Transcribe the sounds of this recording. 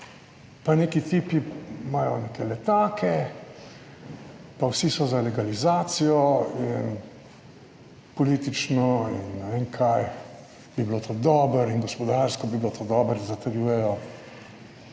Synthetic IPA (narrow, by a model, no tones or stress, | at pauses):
paneːkit̪iːpimaːjɔneːkʰɛlɛt̪aːkʰɛ | pawsisɔzalɛɡalizaːt̪sijɔin | pɔliːt̪it͡ʃnɔinːnɛʋeːŋkʰaj | bibilot̪od̪ɔːbəɾinɡɔspɔd̪aɾskɔbibilot̪od̪ɔːbəɾzat̪ɛɾjuːjɛjɔ